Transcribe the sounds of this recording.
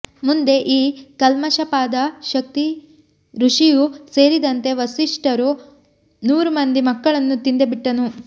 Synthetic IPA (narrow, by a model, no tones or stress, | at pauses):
mund̪e̞ʔiːkɐlmɐʃɐpaːd̪ɐʃɐk̚t̪i | ɾuʂijuse̞ːɾid̪ɐnt̪e̞ʋɐsiʂʈɐɾu | nuːɾumɐnd̪imɐkːɐɭɐnːut̪ind̪ebiʈːɐnu